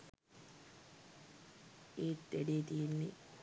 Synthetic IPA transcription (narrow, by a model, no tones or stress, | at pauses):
eːt̪ːeɖeːt̪ijenːi